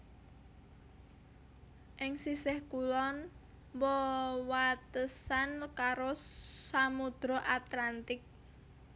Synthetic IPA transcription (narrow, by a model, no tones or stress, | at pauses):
ʔɪŋsisɛhkulɔn | wɔwat̪əsankaɾosamud̪̥ɾɔʔat̪lant̪ɪk̚